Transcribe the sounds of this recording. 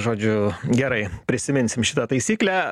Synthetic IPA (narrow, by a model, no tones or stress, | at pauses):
ʒoːd͡ʒʲʊɡʲɛɾɐɪpʲɾʲɪsʲɪmʲɪnʲsʲɪmʃʲɪt̪ɐt̪ɐɪsʲiːklʲæ